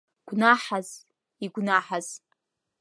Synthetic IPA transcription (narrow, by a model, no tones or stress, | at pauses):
ɡ̥ʷnaħaz | iɡʷnaħaz̥